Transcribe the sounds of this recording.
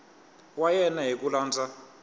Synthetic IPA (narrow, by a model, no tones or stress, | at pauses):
wajɛnaɦikʼulaːnd͡zʱʼa